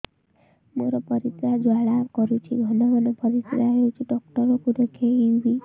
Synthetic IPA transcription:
moɾɔpəɾit̪ɾad͡ʒaɭakɔɾut͡ʃʰiɡʱɔnɔʋɔnɔpəɾisɾaɦeut͡ʃʰiɖɔkʈɔɾokud̪ekʰeiʋi

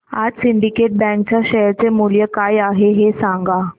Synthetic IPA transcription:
a̰d͡zsiɳɖikeʈ̚bɛ̃ŋk̚t͡ɕaɕəjəɾt͡semuljəkajaɦeɦesãŋɡa

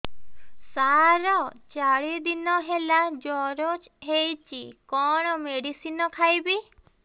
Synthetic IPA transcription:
saɾɔt͡ʃaɭid̪inɔɦelad͡ʒɔɾot͡ʃ | ɦejt͡ʃʰikɔɽ̃ɔmeɽisinɔkʰajbi

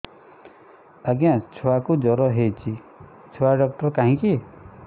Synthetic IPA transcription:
aɡjãt͡ʃʰuakud͡ʒɔɾɔɦet͡ʃʰi | t͡ʃʰoaɖɔk̚ʈɔɾkaɦĩki

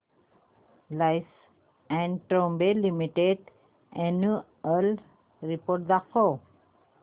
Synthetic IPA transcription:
lajs | ɛ̃ɳʈɾõmbelimiʈeʈ | enju | əl | ɾipoɾʈ̚d̪akʰo

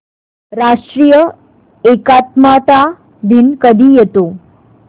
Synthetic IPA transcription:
ɾaʂʈɾijə | ekat̪mat̪a | d̪inkəd̪ʱijet̪o

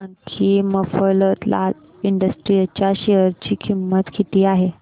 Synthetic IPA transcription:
ankʰiməfələt̪lʔa̰l | iɳɖəsʈɾijat͡ɕjaɕeəɾt͡ɕiːkʰimːət̪kʰit̪iːaɦe

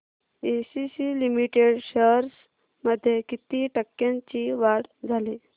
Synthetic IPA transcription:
esisilimiʈeɽɕəɾs | məd̪ʱːjekit̪iʈəkːjãɲt͡ɕiʋaɽd͡zʱali

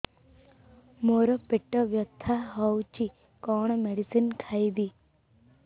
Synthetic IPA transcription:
moːɾopeʈːɐʋjɐt̪ʰːaɦɔwt͡ʃi | koːɳ̃ɐmeɽisinkʰaːjd̪i

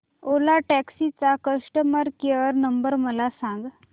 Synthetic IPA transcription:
olaʈɛksit͡sakəsʈəməɾkeəɾnəmbəɾməlasãŋɡ

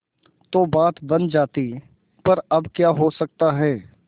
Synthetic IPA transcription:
t̪oːbaːt̪bɐnd͡ʒaːt̪i | pɐɾɐbkjaːɦosɐk̚t̪aɦɛː

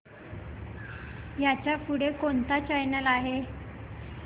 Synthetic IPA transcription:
jat͡ɕjafuɽekont̪at͡ɕajnəlaɦe

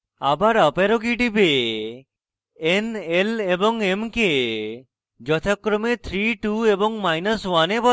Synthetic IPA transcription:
abaɾəpeɾokiʈibe | eneleboŋemke | d͡ʒɔt̪ʰakːɾɔmet̪ʰɾiʈueboŋmajnəswanebɔ

